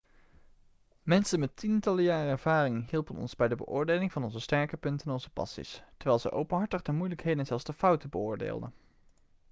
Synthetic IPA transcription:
mɛnsənmɛtʰintɑlˠəjaːrəɛɹv̥aːrɪŋɦilˠpənɔ̰nzbɛjdəbə̰ʔʊːɹdejlɪŋvɑnɔnzəstɛɹkəpɵntənɔnzəpɑ̰sḭstɛɹʋɛjlˠzə̰ʔowpənɦɑɹtəχdəmujləkɦejdənzɛlˠzdəfʌwtəbəʊːɹdḛːlˠdə̰n

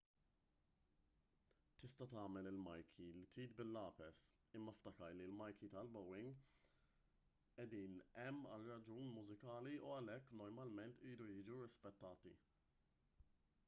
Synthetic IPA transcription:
t̪ɪst̪ɐt̪ɐːmɛlɪlmɐjkʰilit̪iːt̪bɪlːɐːpɛsɪmːɐft̪ɐkɐɾlilmɐjkʰit̪ɐlbɔwːɪŋɡ | ɛd̪iːnɛmːɐ̰lrɐd͡ʒuːnmʊzɪkɐːliuɐlɛkːnɔɾmɐlmɛnt̪iːd̪ujɪːd͡ʒuɾɪspɛt̪ːɐːt̪ḭ

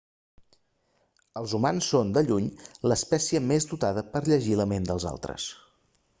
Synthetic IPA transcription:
əlˠzumansːond̪əʎuɲləːspɛsiəmezd̪ut̪aðəpəɾʎəʒiləmend̪əlˠza̰lˠt̪ɾə̰s

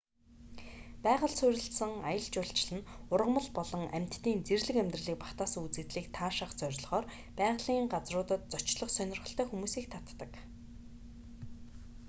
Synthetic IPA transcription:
pæːʁə̆ɮsʊɾʲɪ̆ɬsə̆ŋa̰jə̆ɮt͡ɕʊːɬt͡ɕɪ̆ɮɘ̆nʊrʁə̆mə̆ɮpɔɮɞ̆ŋʔæm̥ʲt̪ːiːnt͡serɮɘ̆kæmʲt̪rə̆ɮiːk̚pḁχt̪aːsə̆ŋut͡sɘ̆t̪ɮiːk̚t̪ʰaːʃə̆χt͡sœɾ̆ʲɮʁɔːr | pæːʁɮiːɴɢat͡srʊːt̪ə̆t̪̚t͡sɔt͡ɕɮə̆χsœnʲɪ̆rʁə̆ɬt̪œːxumuːsiːk̚t̪ʰat̪ːə̆k

